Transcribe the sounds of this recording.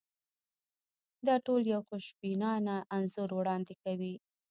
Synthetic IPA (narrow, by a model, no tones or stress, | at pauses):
d̪ɑʈoljawxʊʃbinɑnaʔːnzuɾwɽɑnd̪ekawi